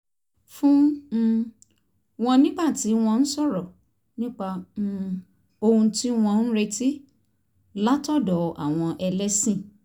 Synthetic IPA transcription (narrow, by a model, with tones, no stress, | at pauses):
fũ˦˧ | w̃ɔ̃˧nĩ˦ɡ͡ba˦˨ti˨˦w̃ɔ̃˧n̩˦sɔ˦˨ɾɔ˨ | nĩ˦k͡pa˧ | o˧hũ˧ti˦w̃ɔ̃˧n̩˦ɾe˧tʰi˦ | la˦tɔ˦˨dɔ˨a̰˨w̃ɔ̃˧ʔɛ˧lɛ˦sĩ˦˨